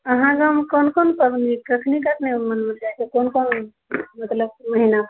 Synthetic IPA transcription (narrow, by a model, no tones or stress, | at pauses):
əɦãɡmkonkonpəbnikəkʰnikəkʰnemənmild͡ʒajt͡ʃʰekonkon | mət̪ləb̚məɦina